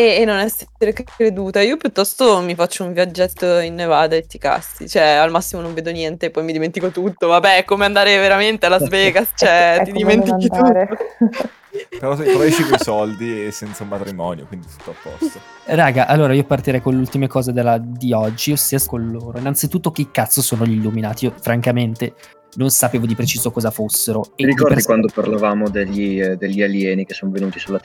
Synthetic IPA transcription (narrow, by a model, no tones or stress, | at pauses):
eːnːonɛseteɾekɾed̪uːt̪aiːopjut̪ːɔst̪omifat͡ʃːouɱvjad͡ʒːɛt̪ːoinːevaːd̪aet̪ːika̰sːḭt͡ʃoɛalmasːimonõɱveːd̪onjɛnt̪epːɔjmid̪iment̪ikot̪ut̪ːovabɛkːomeand̪aːɾeveɾament̪ealːazveːɡast͡ʃɛt̪id̪imment̪init̪uɾo | peɾɔsɾɔit͡ʃikojsɔld̪iesːɛnt̪saumat̪ɾimɔːnjo̰kwind̪isi̥t̪ɔapːɔ̰st̪o | raːɡaʔalːoːɾaiːopart̪iɾɛjkonleult̪imekɔːzed̪elːad̪iɔd͡ʒːiosiːaskonloːɾoinːant̪sit̪ut̪ːokeikːat̪sːosoːnoʎilːuminaːt̪iofɾaŋkament̪e | nonsapeːvod̪ipɾet͡ʃiːzokɔːzafosːeɾoeɾikɔɾrd̪ikwand̪oparlavaːmod̪eʎːid̪eʎːialjɛːnikesːoːnovenuːt̪isulat̪